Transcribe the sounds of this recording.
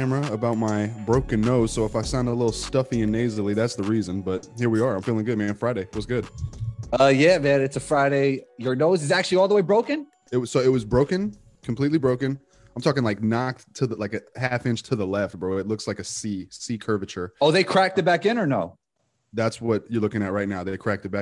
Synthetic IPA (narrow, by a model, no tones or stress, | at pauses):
æmə˞ɨəbaʊt̚maɪbɹoʊkɨ̃nːoʊz̥soʊəfaɪsãʊ̃ndəlɪɾl̩ˠstʌfiɨ̃neɪzl̩ˠiðætsðəɹizɨ̃nbʌt̚hiɹwiə˞ãɪ̃mfilˠɪ̃ŋɡʊd̚mæ̃nfɹaɪɾeɪwʌsɡ̥ʊd̥̚ | ʌjævæɾɨtsɨfɹaɪɾeɪjə˞noʊzɨzæk̚t͡ʃʉl̩ˠiɔlˠðəweɪbɹoʊkɨ̃n | ɨt̚wsoʊɪt̚wʌzbɹoʊkɨ̃n | kʰm̩pʰl̥itˡlibɹoʊkɨ̃n | ãmtʰɔkɪ̃ŋlaɪk̚nɑk̚tʰɨðlaɪkɨhæfɪ̃nt͡ʃtʰɨðəlɛft̚b̥ɹoʊɨtˡlʊkslaɪkɨsisikʰɜ˞vɨt͡ʃə˞oʊðeɪkʰɹ̥æk̚tɨt̚b̥ækɪ̃nə˞noʊ | ðætswʌt͡ʃə˞lʊkɪ̃ŋɨt̚ɹaɪtⁿnaʊðeɪkʰɹ̥æk̚tɨt̚b̥æ